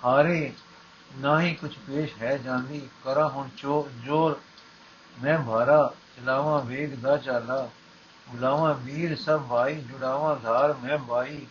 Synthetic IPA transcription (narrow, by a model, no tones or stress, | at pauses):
haːɾeː | naːɦĩːkʊt͡ʃʰpeːʃɦɛːd͡ʒãːnd̪iːkəɾãːɦʊnt͡ʃoːd͡ʒoːɾ | mɛ̃ːbʱaːɾaːt͡ʃəlaːʋãːʋeːɡd̪aːt͡ʃaːlaː | ɡʊlaːʋãːbiːɾsəbːaːiːd͡ʒʊɽaːʋãːɡ̪ʱaːɾmɛ̃ːbʱaːiː